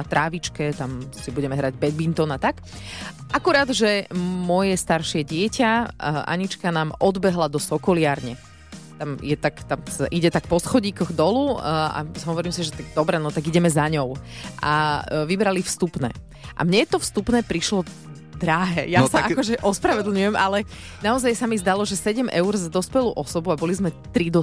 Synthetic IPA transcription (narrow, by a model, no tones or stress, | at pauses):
at̪ɾaːʋit͡ʃkɛt̪amsibuɟɛmɛɦɾaɟbɛɡ̚bint̪ɔnat̪ak | ʔakuɾaːd̪ʒɛmʊɔjɛst̪aɾʃɪɛɟɪɛcaʔa̰ɲit͡ʃkanaːmɔd̪bɛɦlad̪ɔsɔkɔlɪaːɾɲɛ | t̪amjɛt̪akt̪amaʔiɟɛt̪akpɔsxɔɟiːkɔɣd̪ɔlua̰ɦɔʋɔɾiːmsiʒɛt̪aɡ̚d̪ɔbɾɛnɔt̪aɡiɟɛmɛzaɲɔʊʔa̰ʋibɾalifst̪upnɛ̰ː | ʔa̰mɲɛt̪ɔfst̪upnɛːpɾiʃlɔ | d̪ɾaɦɛːjasaakɔʒɛʔɔspɾaʋɛd̪l̩ˠɲujɛmʔalɛ | naɔzajsamizd̪alɔʒɛsɛɟɛmʔɛʊɾzad̪ɔspɛluːʔɔsɔbuabɔlizmɛt̪ɾid̪ɔ